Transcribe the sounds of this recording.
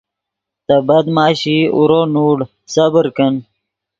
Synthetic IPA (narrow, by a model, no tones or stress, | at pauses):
t̪ɐbɐd̪maːɕiṵɾoːnuːɽ | sabəɾkən